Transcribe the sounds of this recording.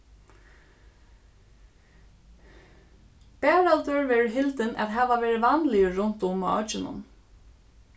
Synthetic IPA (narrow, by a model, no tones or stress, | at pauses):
b̥æːɹalt̪ʏɹʋɛːɹɦɪlt̪ɪnʔæ̰t̪ɦæːʋaʋɛːɹɪʋanlɪəɹʊnt̪ʊm̰ɔt͡ʃɪnʊ̰n